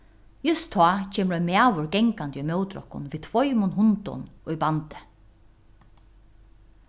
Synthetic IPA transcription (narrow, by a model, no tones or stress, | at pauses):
jʊst̪ʰːɑːt͡ʃʰɛːmɾɔjmaːʋʊɹɡɛŋkant̪jʊjmœwt̪ɾɔ̰hkʊ̰nviːt̪ʰvɔjmʊnɦʊnt̪ʊ̰nʊjbant̪ɪ̥